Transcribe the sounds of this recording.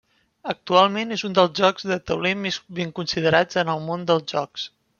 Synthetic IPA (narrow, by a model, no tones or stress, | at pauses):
ək̚t̪ualˠmenezund̪əlˠzʒɔɡzðət̪əwlemesβeŋkunsiðəɾad͡zənəlˠmond̪əlˠzʒɔks